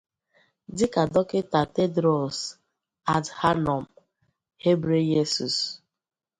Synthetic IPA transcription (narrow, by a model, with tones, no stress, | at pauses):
dɪ˦ka˨dɔ˦ke˦ta˨te˦dɾɔ˨s | a˨tha˦nɔ˨m̩˨ | he˦bɾe˦je˦su˨s